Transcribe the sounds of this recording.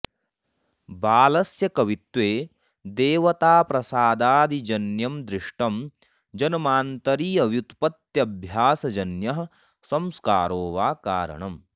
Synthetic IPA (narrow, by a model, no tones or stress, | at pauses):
baːlɐsjɐkɐʋit̪ʋeː | d̪eːʋɐt̪aːpɾɐsaːd̪aːd̪id͡ʒɐnjɐmd̪ɾiʂʈɐm | d͡ʒɐnɐmaːnt̪ɐɾiːɐʋjut̪pɐt̪jɐbʱjaːsɐd͡ʒɐnjɐɦɐ̆ | sɐmska̰ːɾoːʋaːkaːɾɐ̰ɳɐm